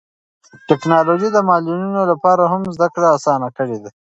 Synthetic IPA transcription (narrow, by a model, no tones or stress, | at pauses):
ʈɪknɑloʒid̪əmɑlinunolapɑɾaɦamzd̪akɽaasɑnakəɽed̪a